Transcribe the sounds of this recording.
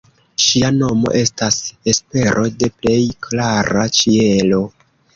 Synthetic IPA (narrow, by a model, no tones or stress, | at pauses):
ʃiano̞mo̞̰ʔe̞stase̞spe̞ɾʔo̞de̞ple̞jklaɾat͡ʃielo̞